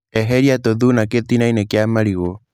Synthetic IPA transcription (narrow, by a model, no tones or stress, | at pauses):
ɛɦɛɾiat̪oðunaket̪inainɛkeamaɾiɣo